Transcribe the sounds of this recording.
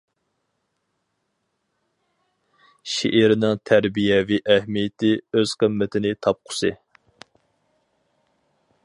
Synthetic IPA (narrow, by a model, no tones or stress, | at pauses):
ʃḭʔiɾɪnɪŋt̪ʰæɾbijɛviʔæhmijɪt̪ʰɪøz̥qʰəmːɪt̪ʰɪnɪt̪ʰɑp̚qʰʊ̥sɨ